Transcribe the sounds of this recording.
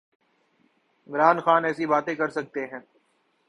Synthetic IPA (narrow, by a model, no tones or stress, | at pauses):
ɪmɾaːnxaːnɛːsibaːt̪ẽkɐɾsɐk̚t̪eɦɛ̃ː